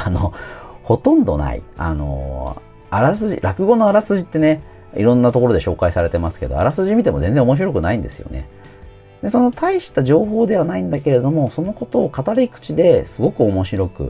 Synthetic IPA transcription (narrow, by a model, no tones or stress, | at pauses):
anoho̞t̪õ̞nd̪o̞̰na̰ḭa̰no̞̰ | aɾas̬ɨʑḭɾakɯ̟ɡo̞no̞aɾasɨʑit̪ːe̞ne̞ | ḭɾõ̞nːat̪o̞ko̞ɾo̞d̪e̞ɕo̞ːkaisaɾe̞t̪e̞masɨ̥ke̞d̪o̞̰a̰ɾasɨʑimʲit̪e̞mo̞zẽ̞nd͡zẽ̞omo̞ɕ̬iɾo̞kɯ̟naĩnd̪e̞sɨjo̞̰ne̞̰ | d̪e̞so̞no̞t̪ʰaiɕi̥t̪aʑo̞ːɦo̞ːd̪e̞βanaĩnd̪ake̞ɾe̞d̪o̞mo̞so̞no̞ko̞t̪o̞ːkat̪aɾikɯ̟̥t͡ɕid̪e̞sɨɡo̞kɯ̟o̞mo̞ɕiɾo̞kɯ̟̰